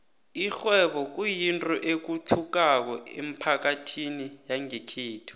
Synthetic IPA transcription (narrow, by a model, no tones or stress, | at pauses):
ixwɛɓɔk̬ujintʼɔʔek̬utʰuk̬ak̬ɔ̰ḛm̩pʰak̬atʰinijaŋekʰiːtʰu̥